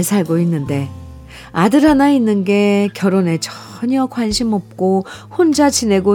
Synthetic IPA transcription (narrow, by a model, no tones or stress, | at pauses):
ɭsʰaɭɡoinːɯnde̞ | adɯɾɦanainːɯnɡe̞kjʌɾone̞t͡ɕʰʌɲʌkwanɕʰimʌp̚k͈ohond͡ʑat͡ɕine̞ɡo